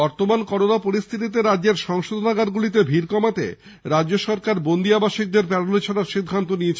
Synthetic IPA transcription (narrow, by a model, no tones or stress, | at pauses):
bɔɾt̪omankɔɾonapoɾist̪ʰit̪̬it̪̬eɾadːeɾʃɔŋʃod̪ʱonaɡaɾɡulit̪̬ebʱiɾkɔmat̪ḛ | ɾadːd͡ʑoʃɔɾkaɾbond̪iabaʃik̚d̪eɾpɛɽolet͡ɕʰoɾaɾʃid̪ʱːant̪oniet͡ɕʰ